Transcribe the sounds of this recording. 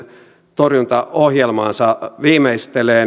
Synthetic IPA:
t̪orjunt̪ɑohjelmɑːnsɑʋiːmeist̪eleː

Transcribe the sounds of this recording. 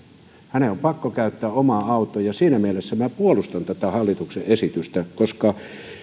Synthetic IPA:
hæneompɑkːokæyt̪ːæːʔomɑɑˑut̪ˑojɑsiːnæmielesːæmæpuolust̪ɑnt̪æt̪æhɑlːit̪ukseʔesit̪yst̪ækoskɑ

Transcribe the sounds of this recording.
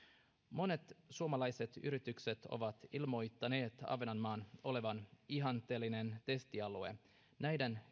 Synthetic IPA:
mo̞ne̞t̪suomɑlɑjse̞t̪yɾit̪ykset̪o̞̰ʋɑt̪ilmo̞jt̪ːɑne̞ːt̪ɑ̰ʋenɑnːɑːno̞le̞ʋɑniɦɑnt̪ˑeːlːine̞nt̪e̞st̪iɑlue | næjden

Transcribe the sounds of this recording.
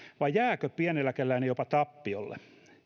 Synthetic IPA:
ʋɑjjæːkøpiænelːækelːæinejopɑt̪ɑpːio̰lːḛ

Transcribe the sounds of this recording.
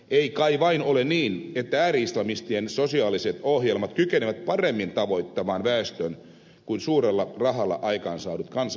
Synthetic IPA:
eikɑiʋɑinoleniːnet̪ːææːɾiislɑmist̪iensosiɑːliset̪ohjelmɑt̪kykeneʋæt̪̚pɑremːint̪ɑʋo̞it̪ːɑmɑːnʋæest̪øn | kuinsuːrelːɑrɑɦɑlːɑ̰ʔɑikɑːnsɑːnut̪kɑns

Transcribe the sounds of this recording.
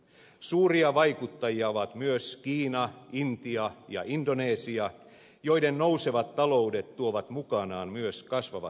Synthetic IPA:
suːriɑʋɑjkut̪ːɑjiɑoʋɑt̪myøskiːnɑint̪iɑjɑ̰ʔindo̞neːsiɑ | jo̞jdenːowseʋɑt̪ːɑlo̞ude̞t̪t̪uoʋɑt̪mukɑnɑːnmyøskɑsʋɑʋɑ̰

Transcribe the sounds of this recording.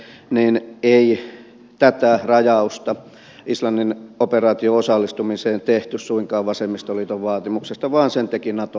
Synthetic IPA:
niːnei | t̪æt̪ærɑjɑust̪ɑ | ʔislɑnːinoperɑːt̪ioosɑlːist̪umiseːnt̪eht̪yssuiŋkɑːʋʋɑsemːist̪olit̪oʋʋɑːt̪imuksest̪ɑʋɑːnsent̪ekinɑt̪o

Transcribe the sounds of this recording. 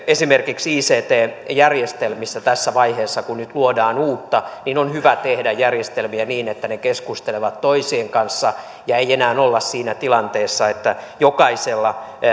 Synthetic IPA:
esimerkiksiːseːt̪eːjærjest̪elmisːæt̪æsːæʋɑiheːsːɑkunnyt̪luodɑːnuːt̪ːɑninonhyʋæt̪ehdæjjærjest̪elmiæniːnet̪ːænekeskust̪eleʋɑt̪toisieːŋkɑnsːɑ | jɑeijenæːnolːɑssiːnæt̪ilɑnt̪eːsːɑet̪ːæjokɑiselːɑ

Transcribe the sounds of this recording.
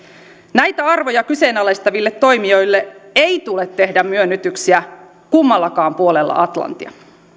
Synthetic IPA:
næjt̪æɑrʋojɑkyse̞ːnɑlest̪ɑʋilːet̪ːo̞jmio̞jlːeeit̪ule̞t̪ːe̞hdæmmyønːyt̪yksiæ | kumːɑlːɑkɑːmpuo̞lelːɑ̰ʔɑt̪lɑ̰nt̪ḭɑ̰

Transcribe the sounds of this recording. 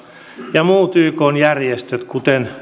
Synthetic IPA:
jɑmuːt̪yːkoːnjærjest̪øt̪kut̪en

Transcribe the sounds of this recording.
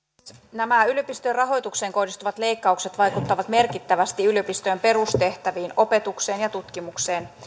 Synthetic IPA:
næmæyljøpist̪øːrɑɦo̞jt̪ukse̞ːŋko̞hdist̪uʋɑt̪le̞jkːɑukset̪ʋɑjkut̪ːɑʋɑt̪me̞rkit̪ːæʋæst̪iyløpist̪øːmpe̞ɾust̪e̞ht̪æʋiːno̞pe̞t̪ukse̞ːnjɑt̪ut̪k̟imukse̞ːn

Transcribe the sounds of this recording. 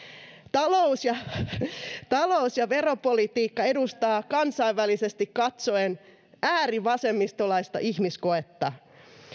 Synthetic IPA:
t̪ɑlousjɑ | t̪ɑlousjɑʋeropolit̪iːkːɑe̞dust̪ɑːkɑnsɑiʋːælisest̪ikkɑt̪soen | æːriʋɑsemːist̪olɑist̪ɑ̰ʔihmiskoet̪ːɑ

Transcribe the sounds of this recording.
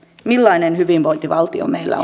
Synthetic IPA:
milːɑinenhyʋinʋo̞int̪iʋɑlt̪io̰meilːæ̰

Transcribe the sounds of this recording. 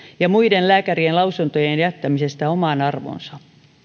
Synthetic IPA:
jɑmuidenlæːkærienlɑusunt̪ojenjæt̪ːæmisest̪æomɑnɑrʋo̰nsɑ

